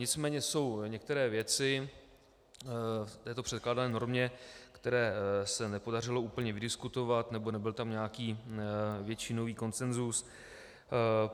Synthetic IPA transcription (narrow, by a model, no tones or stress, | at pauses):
ɲɪt͡smɛːɲɛso̞wɲɛk̚t̪ɛɾɛːvjɛt͡sɪ | t̪ɛːt̪o̞pr̝ɛt̪klaːdanɛːno̞ɾmɲɛkt̪ɛɾɛːsɛnɛpo̞darɪlo̞uːpl̩ɲɛvɪdɪskut̪o̞vat̪nɛbo̞nɛbɪlt̪amɲaːkiː | vjɛt͡ʃiːnoviːko̞nsɛnzus